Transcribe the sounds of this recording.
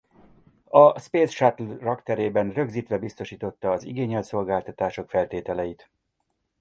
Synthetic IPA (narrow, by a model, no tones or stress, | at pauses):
ɒspeːsʃat̪lrɒkt̪ɛɾeːbɛnrø̞ɡziːt̪ʋɛbist̪o̞ʃiːt̪o̞t̪ːɒːziɡeːɲɛlt̪so̞lɡaːlt̪ɒt̪aːʃo̞kfɛlt̪eːt̪ɛlɛjit̪